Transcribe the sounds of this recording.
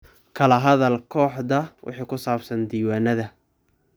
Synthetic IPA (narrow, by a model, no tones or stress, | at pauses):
kʰɐlɐɦɐðɐlkʰɔːħðɐwʔɪ̰ħiːkʰʊsaːbsɐnd̪iːwaːnɐðɐ